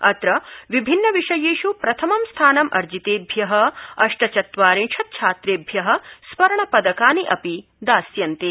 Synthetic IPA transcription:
ɐt̪ɾɐʋibʱinːɐʋiʂɐjeːʃupɾɐt̪ʰɐmɐmst̪ʰaːnɐmʔɐ̰ɾd͡ʒit̪eːbʱjɐɦɐ̆ɐʂʈɐt͡ʃɐt̪ʋaːɾiŋʂʰɐt̪̚t͡ʃʰaːt̪ɾeːbʱjɐɦɐ̆sʋɐɾɐɳɐpɐd̪ɐkaːniʔɐpi | d̪aːsjɐnt̪e

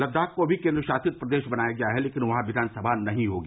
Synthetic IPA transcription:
lɐd̪aːkkobʱikẽːnd̪ɾʃaːsɪt̪̚pɾɐd̪eːʃbɐnaːjaɡɐjaɦɛleːkɪnʋɐɦãʋɪd̪ʱaːnsɐbʱanɐɦĩɦoːɡː

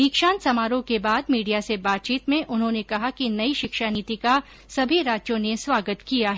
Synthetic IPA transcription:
iːkʃaːnsɐmaːɾõkebaːd̪miːɖijasebaːt̪̚t͡ʃiːt̪mẽʔʊnɦõːnekɐɦakinɐiʃɪkʃaniːt̪ika | sɐbʱiɾaːd͡ʒjõneswaːɡət̪kijaɦɛː

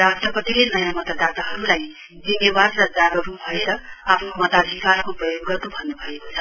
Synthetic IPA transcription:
ɾasʈrʌpʌt̪ilenʌjamʌt̪ad̪at̪aɦʌɾulaj | d͡zinːebadɾʌd͡zaɡʌɾupbʱʌeɾʌapʰnomʌt̪ad̪ʱikaɾkoprʌjoɡːʌt̪obʱʌnːubʱʌekot͡sʰʌ̥

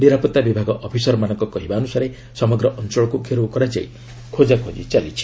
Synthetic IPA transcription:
niɾapɔt̪ːabibʱaɡɔʔɔpʰisɔɾɔmanɔŋkɔkɔɦibaɔnusaɾe | sɔmɔɡɾɔʔɔnt͡ʃɔɭɔkukʰeɾukɔɾad͡ʒa̰ḭ | kʰod͡ʒakʰod͡ʒit͡ʃalḭt͡ʃʰi̥

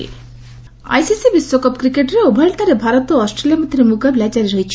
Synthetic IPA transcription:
a̰jsisibisʋokɔpkɾikeʈɾeobʱɐlt̪aɾebʱaɾɔt̪oɔsʈɾelijamɐd̪ʱɾemuɡablat͡ʃaɾeɾoit͡ʃʰ

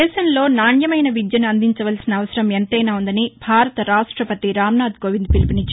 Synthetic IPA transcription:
ɛːʃɐmlo̞ːnaːɳjɐmɐjnɐʋid̪jɐnuɐnd̪iɲt͡ʃɐʋɐlsinɐːʋɐsɐɾɐment̪ɐjnaːund̪ɐnibʱaːɾɐt̪ɐɾaːʂʈɾɐpɐt̪iɾaːmnaːd̪ɡoːʋind̪̚pilipinit͡ʃː

